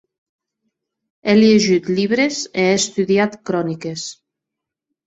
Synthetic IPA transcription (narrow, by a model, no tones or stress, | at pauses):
elieʒyt̪ʎiβɾezeest̪uðiat̪kɾɔnikes